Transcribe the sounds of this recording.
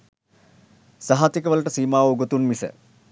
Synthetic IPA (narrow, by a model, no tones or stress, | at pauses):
sɐɦat̪ikɐʋɐlɐʈɐsiːmaːʋuɡot̪unmisə̰